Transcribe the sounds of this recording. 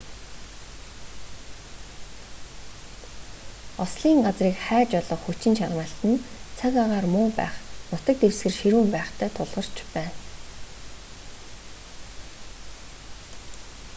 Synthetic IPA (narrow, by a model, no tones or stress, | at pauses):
ɔsɮiːŋɢat͡sriːkχæːt͡ɕɔɮɞ̆χxut͡ɕɪ̆nʃarwaːɬt̪ɘ̆nt͡sʰakaʁaːrmʊːpæ̰ːχnʊt̪ə̆k̚t̪ewsɡɘ̆rʃiɾuːmpæːχt̪ʰæːt̪ʰʊɮʁɞ̆r̥t͡ɕpæːn